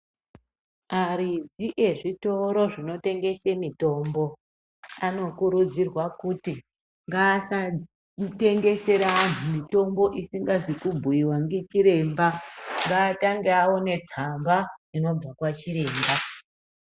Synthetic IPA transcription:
aɾid͡ziʔe̞ʐito̞ɾo̞ʐino̞te̞ŋɡe̞semito̞ːmbo̞ | ano̞kuɾud͡zirwakuti | ŋɡaːsa | te̞ŋɡe̞se̞ɾan̤umito̞mbo̞ʔisiŋɡazikubʱuiwaŋɡet͡ʃiɾe̞mbaŋɡaːtaŋɡeawo̞ne̞d͡zamɡaino̞b͡vakwat͡ʃiɾe̞ːmba

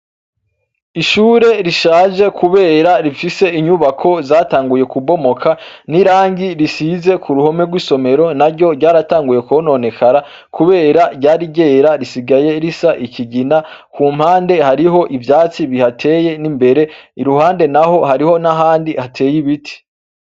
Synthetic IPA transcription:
iʃuːɾe̞ɾiʃaːʒe̞kʰuβe̞ːɾaɾifise̞iɲuβakʰo̞zaːtaːŋɡuje̞kubo̞mo̞kʰaniɾaːŋɡiɾisize̞kʰuɾuho̞me̞ɡwiːso̞me̞ɾo̞naɾɟo̞ɾɟaːɾataːŋɡuje̞kono̞ne̞kʰaɾa | kuβe̞ːɾaɾɟaːɾiɟe̞ːɾaɾisiɡaje̞ɾisaʔiciɟinakuːm̥haːnde̞haɾiɦo̞ʔivjaːt͡siβihatʰe̞ːje̞nimbe̞ɾe̞iɾuhaːnde̞naho̞haɾiho̞naɦaːndihatʰe̞ːjiβitʰi̥

